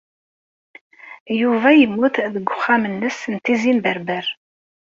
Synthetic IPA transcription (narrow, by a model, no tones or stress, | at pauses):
juvæjəmːuθðəɡʷːʊχːamənːəsənt̪ːizimbəɾbəɾ